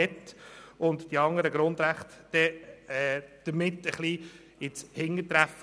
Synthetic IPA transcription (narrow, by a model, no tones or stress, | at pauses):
ɛtʊntd̥iɑŋəɾəɡɾʊnd̪ɾæχtd̥ɛɛːd̪̥əɾmɪtːəχli | ɪt͡shɪŋːətɾæf